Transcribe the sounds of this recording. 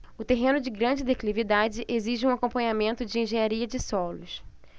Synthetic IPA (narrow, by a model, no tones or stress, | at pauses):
ʊt̪eɦẽnʊd͡ʒɪɡɾɐ̃d͡ʒɪd̪eklivid̪ad͡ʒɪʔeziʒɪũakõpɐ̃ɲamẽnt̪ʊd͡ʒɪĩʒẽɲaɾiɐd͡ʒɪsɔlʊs